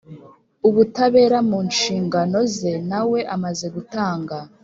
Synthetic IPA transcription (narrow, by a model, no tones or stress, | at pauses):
uβutaβe̞ːɾamuːnʃiːŋɡano̞ze̞nawe̞ʔamaze̞ɡutaːŋɡa